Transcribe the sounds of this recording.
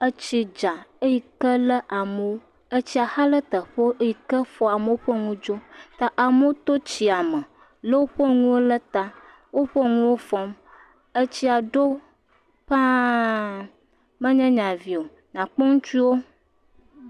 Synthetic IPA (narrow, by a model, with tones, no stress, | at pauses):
ə˦t͡ɕi˦d͡ʒa˨e˦ji˦kə˦lə˦ʔa˨mə˨wo˦ | ə˦t͡ɕi˦a˨xa˦lə˦t̪ə˨ɸə˦o˦ʔe˦ji˨kə˦fɔ˨a˨mə˨wo˦ɸə˦ŋũ˦d͡ʒo˦t̪a˨ʔa˨mə˦o˦t̪o˦t͡ɕi˨a˨mə˨ | lə˦wo˦ɸə˦ŋũ˦wo˦lə˦t̪a˦ | wo˦ɸə˦ŋũ˦wo˦fɔ˦m | ə˦t͡ɕi˦a˨ɖo˦ | ɸã˦ | mə̃˦ɲɛ̃˦ɲã˨vi˨o˨ | ɲã˨k͡pɔ˦ŋũ˦t͡ʃu˦wo˦